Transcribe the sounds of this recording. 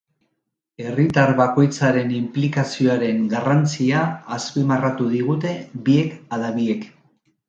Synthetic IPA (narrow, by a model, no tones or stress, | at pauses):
e̞rit̪aɾβako̞jt͡saɾe̞nimplikasio̞aɾe̞ŋɡarant͡siaːspimarat̪uð̞iɣ̞ut̪e̞bie̞kaðaβie̞k